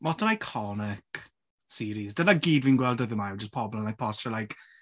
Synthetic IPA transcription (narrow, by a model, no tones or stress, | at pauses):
mɔtʰənajkʰɔnɪk | siːɾizdənaɡiːdviːnɡwɛlˠdɔðəmajwd͡ʒəspʰɔblˠənajpʰɔsʃɔlajk